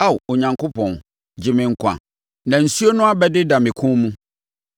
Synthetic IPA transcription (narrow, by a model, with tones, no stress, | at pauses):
a˦˨wo˨ɲã˨ŋkʰo˦pʰɔ̃˨n | d͡ʑɪ˨mɪ̃˨ŋ̩˦kʰʷã̰˨ | nã˨n̩˨su˦o˦nʊ̃˦a˦bɛ˦dɪ˦dã˨mɪ̃˨kʰʊ̃˦mũ˦